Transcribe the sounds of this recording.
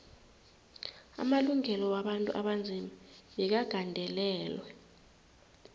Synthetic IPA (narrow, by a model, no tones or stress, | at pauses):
a̰maluŋɛlɔwaɓantʼṵʔaɓand͡zʱimaɓɛk̬aɡ̥ʱandʱɛlɛːlwɛ